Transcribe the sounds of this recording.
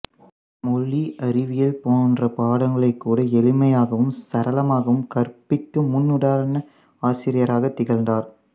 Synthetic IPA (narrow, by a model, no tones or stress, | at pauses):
mɔɭːiʔɐɾɪʋɪjɐlpoːndrɐpaːɽɐŋɡɐɭɐɪkːuːɽɐɛlɪmɐjaːɣɐʋɯmsɐɾɐlɐmaːɣɐʋɯmkɐɾpɪkːɯmʊnːʊɽaːɾɐnɐ | aːsɪɾɪjɐɾaːɣɐt̪ːɪɣɐlnd̪aːɾ